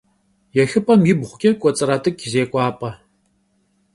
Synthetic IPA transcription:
jɛxɨpʼɐmjɪbʁʷʊkʲʼɛkʷʼɔt͡sʼɨɾatʰʼɨkʰʲʼzeːkʷʼɑːpʼɐ

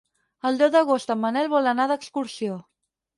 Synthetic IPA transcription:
əlˠd̪ɛwðəɣ̞ost̪əmːənɛlˠβɔlənaðəkskuɾsio

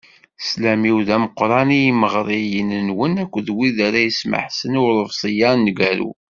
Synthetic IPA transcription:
slæmiwðæməqɾˤɑniməʁɾˤijənənwənækʷːðwiðaɾæjəsmə̰ħsənʊɾˤəvsˤəjɑnːɡæɾṵ

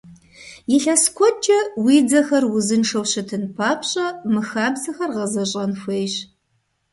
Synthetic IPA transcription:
jɪɬɐskʷʰɔt͡ʃʼɐwiːd͡zɐxɐrwʊzɨnʂɐwɕɐtʰɨnpʰaːpʰɕʼɐmɨxaːbzɐxɐrʁɐzɐɕʼɐnxʷejɕ

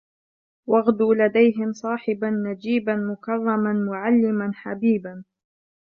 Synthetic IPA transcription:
wɑɣd̪uːlad̪ajɦɪmsˤɑːħɪbanːad͡ʒiːbanmʊkɑrˤːɑmanmʊʕalːɪmanħabiːban

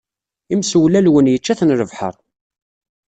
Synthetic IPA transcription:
imswlælwənjət͡ʃːæθnɾəvħə̰ɾˤ

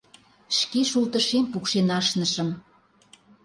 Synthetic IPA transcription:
ʃkeʃult̪əʃempukʃenɑʃnəʃə̆m

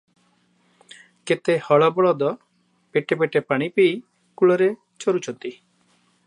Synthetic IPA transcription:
ket̪ehɔɭɔbɔɭɔd̪ɔ | peʈebeʈepaɽ̃ipej | kuɭɔɾe | t͡ʃɔɾut͡ʃʰɔnt̪i

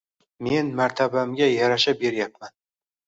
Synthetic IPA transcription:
me̞nmaɾt̪ʰabamɡʲajaɾaʃabe̞ɾjapman

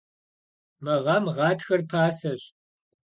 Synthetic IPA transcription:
mɐʁɑmʁɑːtxɐrpʰaːsɐɕ

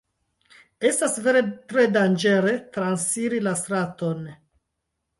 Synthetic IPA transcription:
e̞stasve̞ɾe̞tɾe̞dand͡ʒe̞ɾe̞tɾansiɾilastɾato̞n

